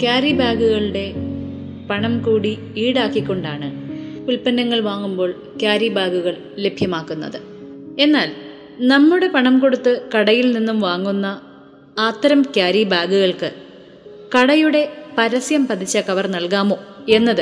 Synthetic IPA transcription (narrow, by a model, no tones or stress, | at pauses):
kjaːɾibʱaːɡuɣɐɭuɽe̞ | pɐɳɐmkuːɽi | iːɽaːkːikʲːo̞ɳɖaːɳɨuɭpɐnːɐŋːɐɭʋaːŋːumbo̞ːɭ | kjaːɾibʱaːɡuɣɐɭ | le̞bʱjɐmaːkːunːɐ̰ðɨ | e̞nːaːl | nɐmːuɽe̞pɐɳɐmko̞ɽut̪ːɨkɐɽɐjilninːumʋaːŋːunːɐ | aːt̪ːɐɾɐmkjaːɾibʱaːɡuɣɐɭkɨ | kɐɽɐjuɽe̞pɐɾɐsjɐmpɐd̪ʰʱit͡ɕːɐkɐʋɐrnɐɭkaːmo̞ːe̞nːɐðɨ